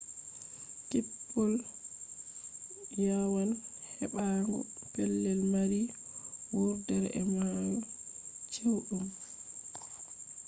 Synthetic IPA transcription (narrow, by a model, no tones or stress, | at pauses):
kipːɔl | jawalhɛɓaŋɡɔ̰pɛlːɛlmaɾi | wuɾdɛɾɛ̰majut͡ʃewɗum